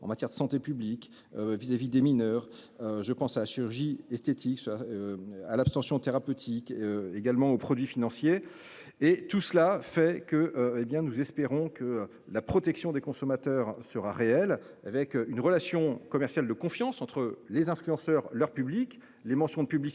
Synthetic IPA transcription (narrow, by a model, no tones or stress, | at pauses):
ɑ̰̃mat̪jɛʁd̪əsɑ̃t̪epyblik | øvizavid̪eminœʁ | øʒəpɑ̃salaʃiʁyʁʒiɛst̪et̪ʰiks | a̰lapst̪ɑ̃sjɔ̃t̪eʁapøt̪ʰikøeɡalmɑ̃opχɔd̪ɥifinɑ̃sjeː | t̪usəlafɛkəʔebjɛ̃nuzɛspeʁɔ̃kʰə | lapχɔt̪ɛksjɔ̃d̪ekɔ̃sɔmat̪œʁsəʁaʁeɛl | avɛkynʁəlasjɔ̃kɔmɛʁsjald̪əkɔ̃fjɑ̃sɑ̃t̪χəlezɛ̃flyɑ̃sœʁlœʁpyblik | lemɑ̃sjɔ̃d̪əpyblis